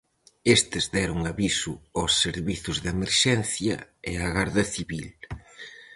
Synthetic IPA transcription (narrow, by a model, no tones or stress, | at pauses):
est̪ɪzðɛɾʊŋaβisʊɔsːeɾβiθʊzðemeɾʃɛnθjɐeaɣaɾðɐθiβil